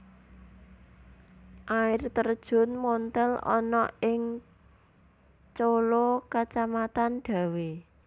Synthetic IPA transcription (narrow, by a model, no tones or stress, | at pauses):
ʔaɪrt̪ərd̥ʒ̥ʊ̤nmɔnt̪ɛlɔ̰nɔ̰ɪŋ | t͡ʃolokat͡ʃamat̪anɖ̪̥a̤we